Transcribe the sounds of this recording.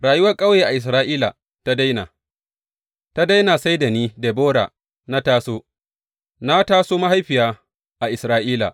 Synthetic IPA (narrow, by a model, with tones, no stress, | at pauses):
ɽaː˨jʊ˦wɐ˦rkʼa˦wjeː˨ʔa˨ʔɪ˨s̬ɾaː˦ʔiː˦la̰˨ | ta˦da˦jna̰˨ | ta˦da˦jnaː˨sa˦jda˨niː˦de˨boː˦ɽa̰ː˨ | na˦taː˦soː˦ | na˦taː˦soː˦ma˦ha˦jɸɪ˨jaː˦ | ʔa˨ʔɪ˨sɾaː˦ʔiː˦la̰˨